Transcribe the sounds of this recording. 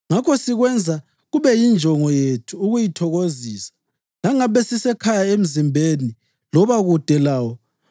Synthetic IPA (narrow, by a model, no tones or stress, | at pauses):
ŋakʰɔsiɣwɛnd͡zʱa | ɣuβɛjind͡ʒʱɔŋɔjetʰuːɣujitʰɔɣoziːsḁ | laŋaβɛsisɛkʰajaem̩zimbʱeni | lɔβaɣud̥ʱɛlaːwɔ